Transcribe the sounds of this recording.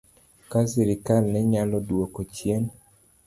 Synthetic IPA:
kasɛɾɪkalnɛɲalɔdwokot͡ʃjen

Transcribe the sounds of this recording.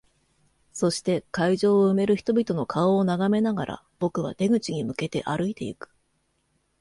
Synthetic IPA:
so̞ɕi̥t̪e̞kaiʑo̞ːɯ̟me̞ɾɯ̟çi̥t̪o̞bʲit̪o̞no̞kʰaoːnaɡame̞naɡaɾʔa̰ | b̥o̞kɯ̟β̞a̰t̪e̞ɡɯ̟t͡ɕiɲ̟imɯ̟ke̞t̪e̞ʔaɾɯ̟it̪e̞ḭkɯ̥

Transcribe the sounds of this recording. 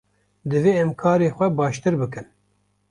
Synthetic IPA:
d̪ɨveːɛmkʰɑːɾeːxʷɛbɑːʃt̪ɨɾbɨkɨn

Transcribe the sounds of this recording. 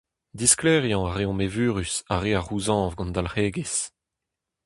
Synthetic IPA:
d̪isklɛːʁjɑ̃aʁeɔ̃mevyːʁysaʁeːaʁuzɑ̃ːvɡɑ̃nd̪alχeːɡes

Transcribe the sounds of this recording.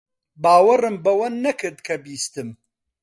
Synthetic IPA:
baːwɐrɨmbɐwɐnːɐkʰɨɾd̪kʰɐbiːst̪ɨm

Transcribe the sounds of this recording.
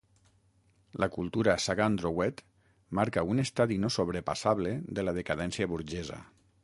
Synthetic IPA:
lʔakulˠt̪uɾasaɣand̪ɾowɛt̪ | maɾkaunest̪aðinosoβ̞ɾepa̰saβleðelaðekaðɛnsiaβuɾʒɛza̰

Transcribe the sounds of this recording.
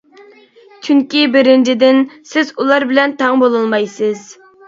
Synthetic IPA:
t͡ʃʰyŋkʲibɪɾɪnd͡ʒid̪ɪnsɪzulˠɑɾbɪlɛnt̪ʰɑŋbolˠɨlˠmɑjsɨz

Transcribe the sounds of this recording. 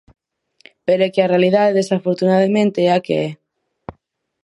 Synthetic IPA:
peɾoɛkɪarealiðaðeðesafoɾt̪unaðamẽnt̪eɛakḛɛ

